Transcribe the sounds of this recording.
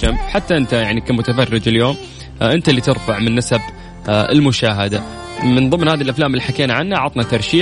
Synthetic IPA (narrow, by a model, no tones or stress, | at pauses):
ambħat̪ːaʔɪnt̪ajaʕnikamʊt̪afɑrːɪd͡ʒɪljoːm | ʔɪnt̪alːiːt̪ɪɾfaʕmɪnːasab | ɪ̰lmʊʃaːɦad̪a | mɪnðˤɨmːnhaːðilʔaflaːmɪlːiːħakeːnaʕanːaʕɑt̪ˤnat̪ɑɾˤʃiː